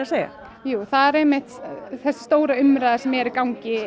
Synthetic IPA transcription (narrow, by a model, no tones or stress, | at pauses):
aseːjɣa̰ | juːθaðɛɾejmːɪht̪θɛsːɪ̥st̪oːwɾaʏmɾaːðasɛmɛɛɾɪɾkawɲcɪ